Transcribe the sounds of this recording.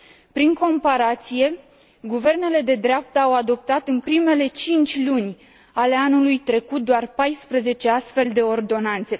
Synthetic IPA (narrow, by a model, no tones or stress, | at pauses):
pɾiŋko̞mpaɾat̪sije̞ | ɡuve̞rne̞le̞d̪e̞d̪ɾeap̚t̪əawad̪o̞p̚t̪at̪ɨnpɾime̞le̞t͡ʃint͡ʃʲlunʲ | ale̞anulujt̪ɾe̞kut̪̚d̪oarpajspɾəze̞t͡ʃe̞ast̪fe̞ld̪e̞o̞rd̪o̞nant̪se